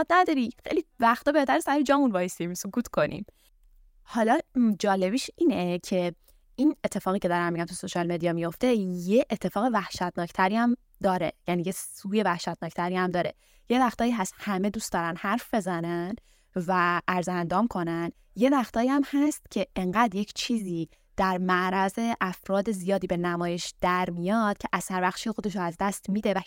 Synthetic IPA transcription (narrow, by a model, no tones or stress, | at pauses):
ɒd̪næd̪ɒːɾixejlivæxt̪ɒːbe̞hd̪æɾesæɾed͡ʒɒːmunvɒːjest̪imsokʰuːt̪kʰo̞nʔḭm | hɒlɒːd͡ʒɒːle̞biːʃiːnecʰe̞ | iːne̞t̪ʰːe̞fɒːɣiːcʰe̞d̪ɒɾæmːiɟæmt̪ʰuso̞ʃɒːlme̞d̪iɒmijo̞ft̪e̞jeʔːt̪ʰːefɒːɣe̞væhʃæt̪nɒːcʰt̪ʰæɾiæm | d̪ɒːɾe̞̰jæniːjesuːje̞væhʃæt̪̚nɒːct̪ʰæɾiæmd̪ɒːɾe̞̰ | je̞væxt̪ɒːjiːɦæst̪hæme̞d̪uːst̪d̪ɒːɾænhæɾfbe̞zænæn | væʔæɾzænd̪ɒːmkʰo̞næn | je̞væxt̪ʰɒːjiæmhæst̪cʲʰe̞eŋɢæd̪jecʰt͡ʃʰiːziː | d̪̥æɾmæʔɾæze̞ʔæfɾɒːd̪e̞zijɒːd̪iːbe̞næmɒːje̞ʃd̪̥æɾmijɒd̪̥cʰeʔæz̥hæɾvæxʃiːjexo̞d̪e̞ʃ̬oæzd̪æst̪miːd̪e̞væ